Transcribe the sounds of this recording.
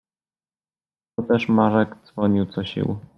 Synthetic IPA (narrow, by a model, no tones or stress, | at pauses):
t̪ɔt̪ɛʂmaʐɛɡd̪zvɔɲiwt̪sɔɕḭw